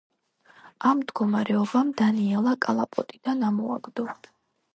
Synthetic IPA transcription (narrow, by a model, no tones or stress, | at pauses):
amːd̪ɡɔmaɾɛɔbamd̪aniɛlˠakʼalˠapʼɔt̪ʼid̪̥anamɔa̰ɡd̪ɔ